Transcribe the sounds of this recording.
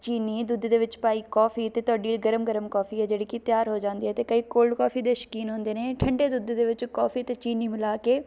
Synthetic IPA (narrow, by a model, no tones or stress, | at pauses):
t͡ʃiːniːd̪ʊd̪d̪eːʋɪt͡ʃpaːiːkɔːfʰiːt̪eːt̪ʊaːɖiːɡəɾəmɡəɾəmkɔːpʰiːɦɛːd͡ʒeːɽiːkit̪ɪjaːɾɦoːd͡ʒãːnd̪iːɛːt̪eːkəiːkoːlkɔːfiːd̪eːʃə̥kiːnɦʊ̃ːnd̪eːneːʈʰəɳɖeːd̪ʊd̪d̪eːʋɪt͡ʃkɔːfʰiːt̪eːt͡ʃiːniːmɪlaːkeː